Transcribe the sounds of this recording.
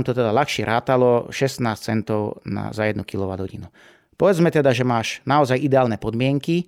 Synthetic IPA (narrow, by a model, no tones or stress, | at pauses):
mt̪ɔt̪ɛd̪alaxʃɪɛɾʔaːt̪alɔʃɛsnaːst͡sɛnt̪ɔʊna̰zajɛd̪nukilɔʋad̪ɦɔɟinu | pɔʋɛd͡zmɛt̪ɛd̪aʒɛmaːʃnaɔzajʔid̪ɛaːlnɛpɔd̪mɪɛŋki